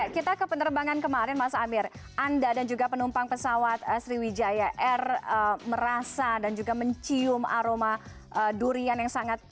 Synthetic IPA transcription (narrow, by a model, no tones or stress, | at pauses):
jakit̪akəpənərbaŋankəmaɾɪnmasaːmɪrʔandadand͡ʒuɡapənumpaŋpəsawat̪̚əsɾiwid͡ʒajaʔɛrəməɾasadand͡ʒuɡaməɲt͡ʃiʊma̰ɾoma | ʔəduɾianjaŋsaŋat̪̚